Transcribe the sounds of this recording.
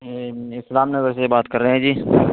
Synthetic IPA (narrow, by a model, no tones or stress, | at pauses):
ɪslaːmnebɐɾsebaːt̪kɐɾːəɦɦɛ̃d͡ʒiː